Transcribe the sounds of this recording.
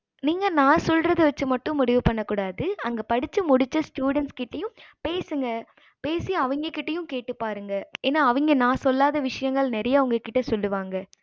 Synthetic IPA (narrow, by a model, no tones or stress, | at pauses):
niːŋɡɐnãːsɔlrɐðɯʋɐt͡ʃːɯmɐʈːʊ̃mʊɽɪʋɯpɐɳːɐkːuːɽaːðɯɐŋɡɐpɐɽɪt͡ʃːɯmʊɽɪt͡ʃːɐsʈjuːɽɛnskɪʈːɐjʊ̃mpeːsɯŋɡɐ | peːsɪjɐʋɐŋɡɐkːɪʈːɐjʊ̃mkeːʈːɯpːaːɾɯŋɡɐeːnːaːɐʋɐŋɡɐnãːsɔlːaːðɐʋɪʂɐjɐŋɡɐɭnɛɾɐjaʊŋɡɐkːɪʈːɐsɔlːɯʋaːŋɡɐ